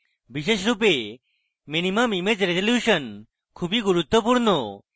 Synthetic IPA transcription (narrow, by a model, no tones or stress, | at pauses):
biʃeʃɾupe | minimamimed͡ʑɾezoljuʃən | kʰubiɡuɾut̪ːɔpuɾno